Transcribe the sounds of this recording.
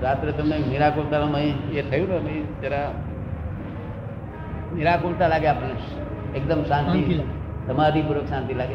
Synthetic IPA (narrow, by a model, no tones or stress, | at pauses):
ɾat̪ɾet̪əmneniɾakolt̪anaməĩet̪ʰəjũnəməĩt̪eɾa | niɾakolt̪alaɡeapne | ek̚d̪əmsãnt̪i | t̪əmad̪ʱipəɾoksãnt̪ilaɡe